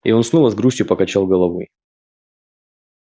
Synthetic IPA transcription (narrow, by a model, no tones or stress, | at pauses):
ḭo̞nsnovəzɡɾusʲt̪ʲjʊpəkɐt͡ɕalˠɡəlˠɐvo̰j